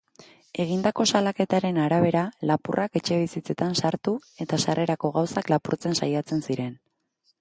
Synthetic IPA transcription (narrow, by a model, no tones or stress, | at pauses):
e̞ɣ̞ind̪ako̞salake̞t̪aɾe̞naɾaβ̞e̞ɾalapurʔake̞t͡ʃe̞β̞isit͡se̞t̪ansaɾt̪ue̞t̪asare̞ɾako̞ɣ̞awsaklapuɾt͡se̞nsajat͡se̞nsiɾe̞n